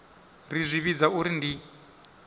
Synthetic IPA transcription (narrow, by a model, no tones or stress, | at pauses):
rizʷiβid͡zauɾindi